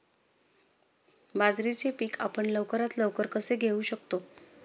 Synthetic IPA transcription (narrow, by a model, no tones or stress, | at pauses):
bad͡zɾit͡ɕepiːka̰pəɳləʋkəɾat̪ləʋkəɾkəseɡʱeuːɕəkt̪o